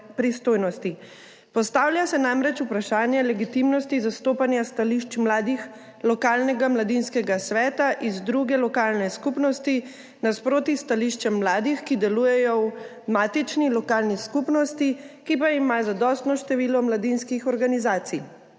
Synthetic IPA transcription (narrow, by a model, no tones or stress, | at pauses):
pɾist̪oːjnɔst̪i | pɔst̪aːwljasɛnamɾɛt͡ʃupɾaʃaːnjɛlɛɡit̪imnɔst̪izast̪oːpanjast̪aliʃt͡ʃmlad̪ix | lɔkaːlnɛɡamlad̪inskɛɡasʋɛːt̪aʔizd̪ɾuɡɛlɔkaːlnɛskupnɔst̪i | naspɾoːt̪ist̪aliʃt͡ʃɛmːlaːd̪ixkid̪ɛluːjɛjɔw | maːt̪it͡ʃnilɔkaːlniskupnɔst̪ikipaimazad̪ɔst̪nɔʃt̪ɛʋiːlɔmlad̪inskixɔɾɡanizaːt̪sij